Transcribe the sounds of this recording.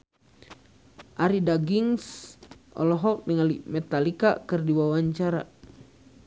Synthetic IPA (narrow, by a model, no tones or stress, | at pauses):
ʔaɾidaɡiŋsʔɔ̰lɔɦɔk̚niŋalḭmɛt̪alika̰kɨrdiwawaɲt͡ʃaɾa̰